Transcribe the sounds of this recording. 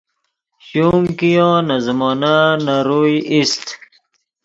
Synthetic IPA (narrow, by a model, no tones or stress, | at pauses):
ɕumkijõːnazəmɔːnanaɾujist̪